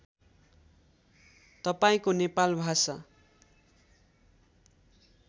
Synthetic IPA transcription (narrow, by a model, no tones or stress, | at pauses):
t̪ʌpaĩkonepalbʱasa